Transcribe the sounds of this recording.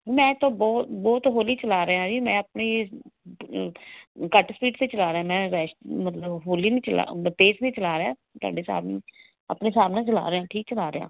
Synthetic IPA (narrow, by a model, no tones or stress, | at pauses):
mɛ̃ːt̪õːbɔːt̪bɔːt̪ɦoːliːt͡ʃəlaːɾeãːd͡ʒimɛ̃ːəpneː | kəʈspiːʈt̪eːt͡ʃəlaːɾeãːmɛ̃ːɾɛːʃmət̪ləbɦoːliːnĩːt͡ʃəla̰ːp̪eːsnĩːt͡ʃəlaːɾeaː | t̪ʊa̰ːɖeːsa̰ːbnḭː | ə̰pneːsaːmnãːt͡ʃəla̰ːɾeãːʈʰiːk̚t͡ʃəlaːɾeɦã̰ː